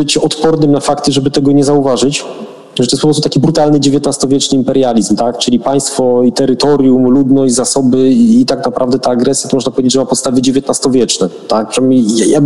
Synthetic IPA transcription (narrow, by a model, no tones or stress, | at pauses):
bɘt͡ɕɛɔt̪pɔɾnɘmnafakt̪ɘʐɛbɘt̪ɛɡɔɲɛzauvaʐɘt͡ɕ | ʐɛt̪ɔjɛspɔpɾɔst̪ut̪akʲibɾut̪alnɘd͡ʑevʲjet̪nast̪ɔvʲjɛt͡ʂnɘimpɛɾjalʲizmt̪akt͡ʂɘlʲipaj̃st̪fɔit̪ɛɾɘt̪ɔɾʲjumlud̪nɔɕd͡ʑʲzasɔbɘːt̪aknapɾʔavd̪ɛt̪aːɡɾɛsʲjat̪ɔmɔʐnapɔvʲed͡ʑt͡ɕd͡ʑʐɛmapɔt̪st̪avɘd͡ʑevʲjɛt̪nast̪ɔvʲjɛt͡ʂnɛt̪ak̚pʂmijaja